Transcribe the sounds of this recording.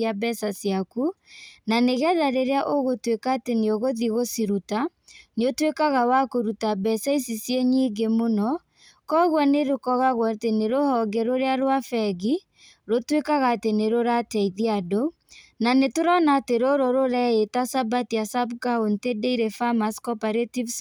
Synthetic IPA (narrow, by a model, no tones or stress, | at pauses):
abɛsasijakunaneɣɛðaɾeɾeaʔoɣotwekaːteneoɣoðiɣosiɾuta | neotwekaɣawakoɾutabɛsaisisjeɲiːɡemonɔ | kɔɣwɔneɾokɔɣaɣwateneɾohɔɡeɾoɾeaɾoafɛɣi | ɾotwekaɣateneɾoɾatɛiðiado | nanetoɾɔnaːteɾoɾoɾoɾɛetasabatijasabkaontedeiɾɛfamaskɔpaɾetivs